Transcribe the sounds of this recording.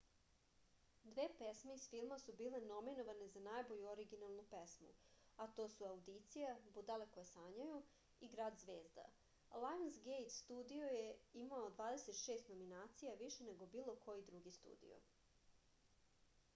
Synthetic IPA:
d̪ʋeːpesmeisfilˠmasubiːle̞no̞minoʋane̞zanaːjbo̞ʎuoɾiɡinalˠnupesmṵ | at̪o̞ːsuaud̪it̪sijabud̪alekojesaːɲaju | iɡɾaːd̪zʋeːzd̪a̰ | lˠajonsɡejt̪st̪uːd̪iojeimaod̪ʋaːd̪e̞se̞t̪ʃeːst̪no̞minaːt̪sijaʋiʃene̞ɡo̞biːlˠo̞kʰo̞jid̪ɾuɡist̪ṵːd̪ḭjo̰

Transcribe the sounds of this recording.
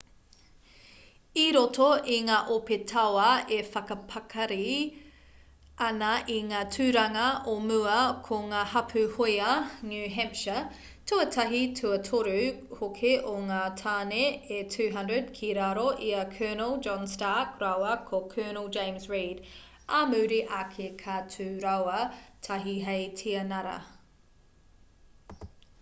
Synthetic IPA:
iɾotoiŋaːʔopetʰɐwɐefɐkɐpʰɐkʰɐɾi | ɐnɐʔiŋaːtʰʉːɾɐŋɐʔomʉɐkʰoŋaːhɐpʰʉhojɐnjʉːɦɛmʃə | tʰuɐtʰɐɦitʰuɐtʰoɾʉhokʰeʔoŋaːtʰaːneetʰʉːɦɐndɹəd̚kʰiɾaɾoʔiɐkʰɜːnəlˠd͡ʒɔ̃nstaːkɾawɐkʰokʰɜːnəlˠd͡ʒẽj̃msɹid | ɐmʉːɾiʔakʰekʰatʰʉːɾɐwɐtʰɐɦiɦejtʰiɐnɐɾɐ̰

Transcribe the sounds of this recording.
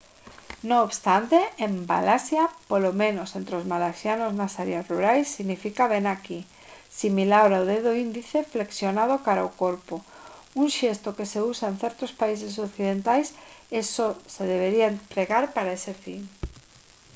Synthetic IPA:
nõːβst̪ant̪eemba̰lasjapolomẽnosent̪ɾeozmalasjanoznasaɾeasruɾajsːiɣnifikaβenaki | similawɾawð̞eðoind̪iθefleksjonað̞okaɾaokoɾpo | uŋʃest̪okeseusaenθeɾt̪ospais̬es̬okθið̞ent̪ajsesoseð̞eβeɾiaent̪ɾeɣaɾpaɾaesefiŋ

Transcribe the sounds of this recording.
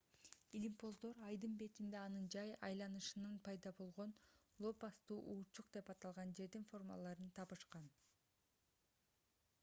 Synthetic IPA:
ilʲimpo̞zd̪o̞ɾɑjd̪ɯmbe̞t̪ind̪eɑnɯnd͡ʒɑjɑ̰jlˠɑnɯʃɯnɯnpʰɑjd̪ɑbo̞lˠʁo̞n | lˠo̞pɑst̪uːʔuːt͡ʃuqd̪e̞pɑt̪ɑlˠʁɑnd͡ʒe̞ɾd̪info̞rma̰lˠɑɾɯnt̪ʰɑpɯʃqɑn

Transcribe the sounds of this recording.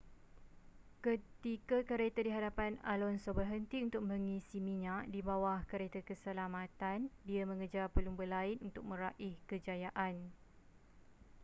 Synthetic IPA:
kət̪ikakəɾet̪adiɦadapana̰lɔnsobərɦənt̪iunt̪ʊk̚mə̃ŋisimĩɲaʔdibawahkəɾet̪akəsəlamãt̪andiamə̃ŋəd͡ʒarpəluŋbəlaɪnunt̪ʊk̚mə̃ɾaʔɪhkəd͡ʒajaʔan

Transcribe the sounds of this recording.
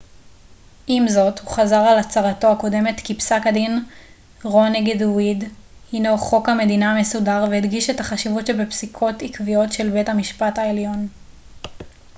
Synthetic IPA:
ʔimzo̞thuχazaʁalat͡saʁato̞ako̞de̞me̞tkipsakadin | ʁo̞neɡedwidhinoχo̞khame̞dinaame̞sudaʁvehedɡiʃe̞thaχaʃivutʃebepsikʰo̞tikvijo̞tʃe̞lbethamiʃpathaeljo̞n

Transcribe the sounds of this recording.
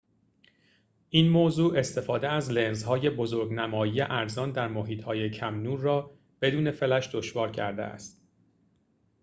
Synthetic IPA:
ʔiːnmoːzuːʔe̞st̪e̞fɒːd̪eæzlenzhɒːje̞bozoɾɡnæmɒːjiːje̞ʔæɾzɒːnd̪æɾmoɦiːt̪ʰhɒːje̞cʰæmnuːɾːɒː | b̥e̞d̪uːne̞fe̞læʃd̪o̞ʃvɒːɾcʰæ̰ɾd̪ḛæ̰st̪

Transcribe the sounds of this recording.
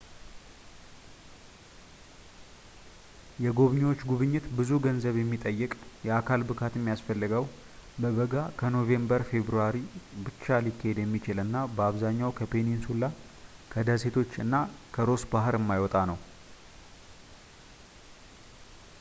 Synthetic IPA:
jɛɡo̞βɲiwo̞t͡ʃːɡuβɨɲːɪt̪bɨzuɡənzəβjɛmːit̪ʼəjːɨkʼjɛakʰalbɨkʰat̪əmːijasfəlːɨɡəw | bəβəɡakʰəno̞ve̞mbəɾfe̞βɾuaɾibɨt͡ʃːalikːahed̪jɛmːit͡ʃɪlɨnːabəaβzaɲːawkʰəpʰe̞ninsulːa | kʰəd̪əse̞t̪ʰo̞t͡ʃːɨnːakʰəɾo̞sbaɦɨɾəmːajwɔt̪ʼanəw

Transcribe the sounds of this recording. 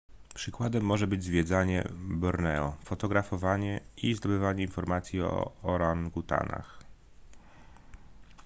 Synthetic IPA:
pʂɘkwad̪ɛmːɔʐɛbɘd͡ʑzvʲjɛd̪zaɲɛ̰bɔɾnɛɔfɔt̪ɔɡɾafɔvaɲɛizd̪ɔbɘvaɲɛinfɔɾmat̪sʲjiɔ̰ɔɾaŋɡut̪a̰na̰x

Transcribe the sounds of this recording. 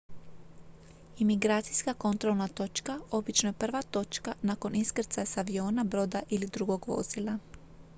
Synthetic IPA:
imiɡɾaːt̪sijskako̞nt̪ɾo̞lˠnat̪o̞t͡ʃkao̞bit͡ʃnoje̞pr̩ʋat̪o̞t͡ʃkanaːko̞niskr̩t̪sasaʋio̞ːnabɾo̞ːd̪aʔilid̪ɾuɡo̞ɡʋo̞̰z̥ilˠa

